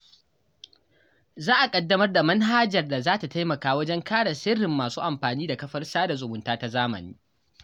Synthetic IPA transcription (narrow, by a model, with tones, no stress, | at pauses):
zaː˦ʔa˨kʼɐ˦dːɐ˦mɐ˦rda˨mɐ˦nɦaː˦d͡ʒɐ˨rda˨zaː˦ta˨ta˦jmɐ˨kaː˦wɐ˦d͡ʒɛ˦ŋkaː˦ɽa˨sɪ˦ɽːɪ˨mːaː˨suː˦ʔa˨mɸaː˨niː˦da˨kɐ˦ɸɐ˦rsaː˦da˨zʊ˨mʊ˨ntaː˦ta˦zaː˦mɐ̰˨nḭː˦